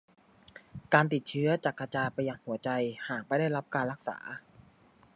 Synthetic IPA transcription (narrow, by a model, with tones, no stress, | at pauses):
kaː˧nt̪i˨˩t̪̚t͡ɕʰɯ˦˥ɐt͡ɕaː˨˩kːa˧t͡ɕaː˧pa˧jːaː˧ŋhu˩˦ɐt͡ɕa˧jhaː˨˩k̚pa˧˥jda˥˩jɾa˦˥p̚kaː˧nɾa˦˥k̚sa̰ː˩˦